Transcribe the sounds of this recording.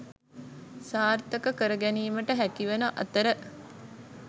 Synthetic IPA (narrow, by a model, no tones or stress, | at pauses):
saːrt̪əkəkəɾəɡæniːməʈəɦækiʋenɐʔɐ̰t̪əɾə